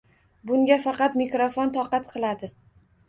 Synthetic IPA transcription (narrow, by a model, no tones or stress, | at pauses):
bʊŋɡʲafɑqɑt̪mɪkɾofont̪ʰɒqɑt̪qʰɨlˠad̪ɪ